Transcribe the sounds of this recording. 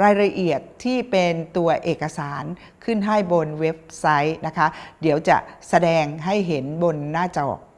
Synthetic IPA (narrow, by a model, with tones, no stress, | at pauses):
ɾaː˧jɾa˧ʔi˨˩ət̪ʰːiː˥˩pe˧nt̪u˧ɐʔeː˨˩kːa˧saː˩˦n | kʰɯ˥˩nɦa˥˩jbo˧nwe˦˥p̚sa˦˥jna˦˥kʰa˦˥di˩˦əwt͡ɕa̰˨˩ʔsa˧dɛː˧ŋɦa˥˩jɦe˩˦nbo˧nːaː˥˩t͡ɕɔ̰ː˨˩k̚